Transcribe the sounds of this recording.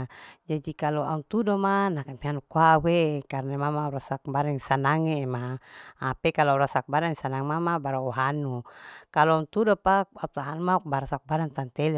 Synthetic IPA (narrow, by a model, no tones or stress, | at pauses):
d͡ʒadikalɔa̰unt̪udomanakamianukuawekarnamamauɾasak̚baɾaŋsanaŋeːmaː | pekalɔauɾasak̚badaŋsanaŋmamabaɾauɦanukalɔaunt̪udopaaut̪aɦanmakbaɾasak̚badaŋt̪ant̪ɛlɛ